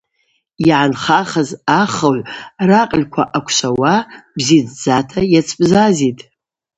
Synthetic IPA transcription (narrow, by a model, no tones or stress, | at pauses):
iʕanχaχəzaχəʕʷraqʼlʲkʷʰa̰ʔakʷʰʃʷawabzid͡zd͡zatʰajat͡sʰʼpʼzazitʼ